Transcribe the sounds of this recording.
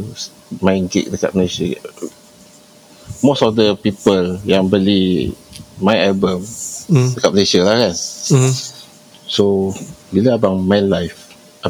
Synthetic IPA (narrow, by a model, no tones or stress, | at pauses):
s | mãjnɡḛʔ̚ləka̰t̪̚məneʃə | mosɔfdəpipəljãŋbəli | mãjnɛlbəməkat̚məneʃəlahkan | sobiləabaŋmãnlajf | ʔa